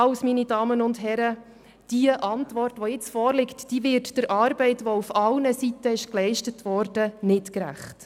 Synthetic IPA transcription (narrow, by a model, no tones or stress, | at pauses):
ɑʊsminidɑːmənʊndɦɛɾə | d̥iəʔɑntvɔrtʋɔjɪt͡sfɔːɾlɪktd̥iːʋɪrtd̥əɾʔɑːɾbɛɪtʋɔufɑlnəsitəɪʃklɛɪʃtətʋɔːɾd̥ənɪtkɾæ̰χt